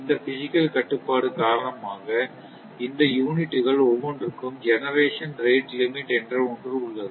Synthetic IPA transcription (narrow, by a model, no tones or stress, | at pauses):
ɪnd̪ɐfɪsɪkːɐlkɐʈːɯpːaːɽɯkaːɾɐnɐmaːɣɐ | ɪnd̪ɐjuːnɪʈːɯɣɐɭɔʋoɳɖɾɯkːɯmd͡ʒɛnɐɾeːʂɐnɾeːʈlɪmɪʈɛndrɐʊɳdrɯʊɭːɐðɯ